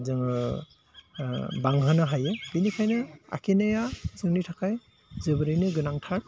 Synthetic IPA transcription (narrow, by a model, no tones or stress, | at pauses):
zɯŋɯ | baŋɦɯnɯɦajeb̥inikʰajnɯa̰kʰinajazɯŋnitʰakʰaj | zɯbɯɾɯjnɯɡɯnaŋtʰak̚